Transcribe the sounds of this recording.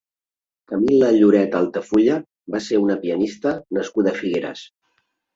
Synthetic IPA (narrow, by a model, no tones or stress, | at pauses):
kəmiləʎuɾɛt̪alˠt̪əfuʎə | baseunəpiənist̪ənəskuðəːfiɣeɾə̰s